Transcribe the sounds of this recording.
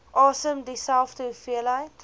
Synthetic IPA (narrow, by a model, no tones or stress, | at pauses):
ʔɔːsəmdisɛlftufiəlaɪt